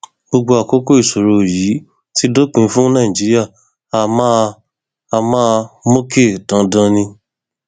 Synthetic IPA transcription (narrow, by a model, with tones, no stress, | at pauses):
ɡ͡bo˧ɡ͡bo˧a˨ko˦ko˦i˦˨so˨ɾo˧˨jiː˨˦ | ti˦do˦k͡pĩ˧˦fũ˦nã˦˨ĩ˨d͡ʒi˨˦ɾi˦a˦˨ | a˦˧mã˦ | a˧mã˦˧mo˦ke˦˨dã˨˦dã˧nĩ˧